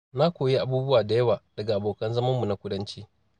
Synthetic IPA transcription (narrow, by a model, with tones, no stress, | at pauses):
na˦kʷoː˨ji˦ʔa˨buː˦bʊ˦waː˨da˨jɐ˦waː˨d̥ɐ˨ɡa˨ʔa˨boː˨kɐ˦nzɐ˦mɐ˦mːu˨na˦kʷʊ˦dɐ˦nt͡ʃeː˦